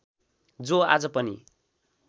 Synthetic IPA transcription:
d͡zoa̰d͡zʌpʌnḭ

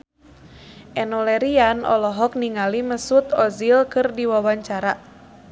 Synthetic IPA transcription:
ʔɛnɔlɛɾianɔ̰lɔɦɔk̚niŋaliməsut̪ɔzilkɨrdiwawaɲt͡ʃaɾa

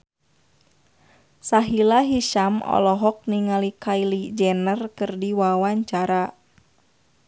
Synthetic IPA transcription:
saɦilaɦiʃamɔ̰lɔɦɔk̚niŋalikailid͡ʒɛnərkɨrdiwawaɲt͡ʃaɾa

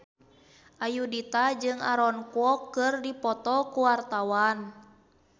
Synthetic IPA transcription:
ʔajudit̪ad͡ʒɨŋa̰ɾɔnkuɔkːɨrdipɔt̪ɔkuwart̪awan

